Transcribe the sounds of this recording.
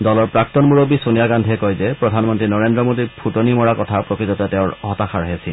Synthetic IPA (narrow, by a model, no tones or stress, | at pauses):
dɔlɔɹpɹak̚tɔnmuɹobisonijaɡandʱɛkɔjzɛpɹɔdʱanmɔntɹinɔɹendɹɔmodiɹpʰutonimɔɹakɔtʰapɹokɹitɔtatɛʊ̃ɹɦɔtaxaɹɦesi